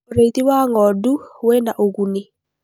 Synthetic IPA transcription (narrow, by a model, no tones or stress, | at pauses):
ɾet̪iwaŋɔduwɛnaʔoɡunɪ